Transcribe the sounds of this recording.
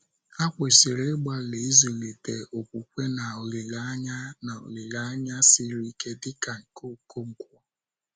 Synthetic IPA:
a˦kʷe˨si˨ɾe˦ɡ͡ba˦le˨i˦zo˨le˨te˨ʔo˨kʷu˨kʷe˦na˨o˨le˨la˦ɲa˦na˨o̰˨le˨la˦ɲa˦sɪ˦ɾi˦ke˦dɪ˦ka˨ŋ̩˨ko˦˨ko˦ŋ̩˨kʷɔ˦

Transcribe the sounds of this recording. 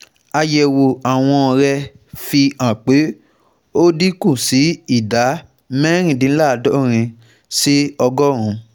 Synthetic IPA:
a˧jɛ˨wo˨a˨w̃ɔ̃˧ɾɛ˧ | fi˧ã˨k͡pe˨˦ | o˦di˦kũ˦˨si˨˦i˦˨da˨˦ | mɛ̃˦ɾ̃ĩ˦˨dĩ˧˦la˦˨˧dɔ˦ɾ̃ĩ˧ | si˦ɔ˧ɡɔ˦ɾ̃ũ˨˦

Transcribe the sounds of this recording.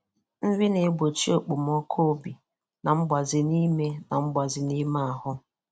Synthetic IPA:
m̩˦vi˦ne˨˦ɡ͡bo˨t͡ʃi˦o˨k͡pu˨m˦ɔ˦kʰo˦bi˨ | na˨m̩˦bʷa˨zɪ˨ni˦me˦na˨m̩˦bʷa˨zɪ˨ni˦ma˦a˨hʊ˦

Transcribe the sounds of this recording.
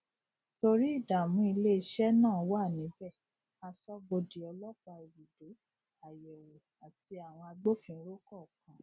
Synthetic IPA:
to˧ɾi˦i˦˨da˨mũ˦i˧le˦˧˦ʃɛ˦nã˦˨˦wa˦˨nĩ˨˦bɛ˦˨ | a˧sɔ˦bo˧di˨ɔ˧lɔ˦k͡pa˧i˨ɾi˨do˨˦ | a˨jɛ˨wo˨ | a˨ti˧˦a˨w̃ɔ̃˧a˧ɡ͡bo˦fĩ˦ɾo˦kɔ˦˨kã˨˦

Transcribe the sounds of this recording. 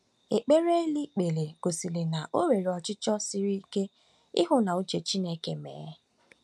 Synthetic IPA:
e˨k͡pe˦ɾe˦e˦li˦k͡pe˨le˨ɡ̥o˨si˨le˨na˨ʔo˦ɾe˨ɾe˨ɔ˨t͡ʃɪ˦t͡ʃɔ˦si˦ɾi˦i˦ke˦ | ɪ̰˦ɦʊ˦na˨u˦t͡ʃe˨t͡ʃi˦ne˦ke˦mḛː˨˦

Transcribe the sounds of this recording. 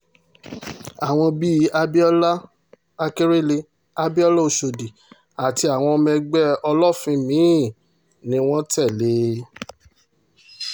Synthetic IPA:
a˨w̃ɔ̃˧bi˦a˧bi˦ɔ˦la˦ | a˧ke˦ɾe˦le˧˦ | a˦bi˦ɔ˦lɔ˦o˧˨ʃo˨di˨ | a˨ti˧a˨w̃ɔ̃˧mɛ̃˧ɡ͡bɛ˦ɔ˧lɔ˦˨fĩ˧mĩ˨˦˨ | nĩ˨˦w̃ɔ̃˦tɛ˦˨le˨˦

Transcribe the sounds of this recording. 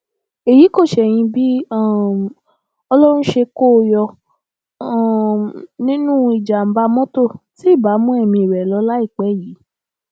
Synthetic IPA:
e˨ji˨˦ko˦˨ʃɛ˨j̃ĩ˧bi˦a˦˨ | ɔ˧lɔ˦ɾ̃ũ˦ʃe˧ko˦˧jɔ˧˨ | nĩ˦nũ˦i˨d͡ʒa˨m̩˨ba˧mɔ̃˦to˦˨ti˨˦i˦˨ba˨˦mũ˦ɛ˦˧˨mĩ˧i˨ɾɛ˨lɔ˨˦la˦i˦˨k͡pɛ˨˦˨jiː˨˦

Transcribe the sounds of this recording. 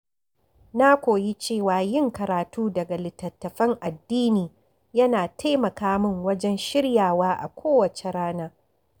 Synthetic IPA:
na˦kʷoː˨ji˦t͡ʃeː˦˨waː˨jɪ˦ŋkɐ˨ɾaː˨tuː˦dɐ˨ɡa˨lɪ˨tːɐ˨tːɐ˨ɸɐ˦ŋʔa˨dːiː˦niː˨ | jɐ˦naː˨tʰa˦jmɐ˨kaː˦mɪ˦ŋwɐ˦d͡ʒɛ˦nʃɪ˦ɽjaː˨waː˦ʔa̰˨kʷʰoː˦wɐ˨t͡ʃe˨ɾaː˦naː˦

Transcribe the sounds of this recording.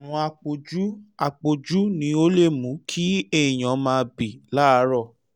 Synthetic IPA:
ũ˧˦a˧k͡po˨d͡ʒu˦a˧k͡po˨d͡ʒu˦nĩ˧˦o˦le˦˨mũ˨˦kʰi˦e˦˨j̃ã˨˦mãː˧bi˨la˦˧˦ɾɔ˦˨

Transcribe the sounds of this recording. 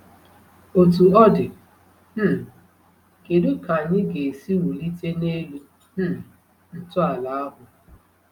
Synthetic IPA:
o˨tu˨ɔ˦dɪ˨ | m̩˦ | ke˨dʊ˦ka˨ɲɪ˦ɡe˨si˦wu˨li˦te˦ne˦lu˦ | m̩˦ | n̩˦tʊ˦a˨la˨a˦ɦʊ˨

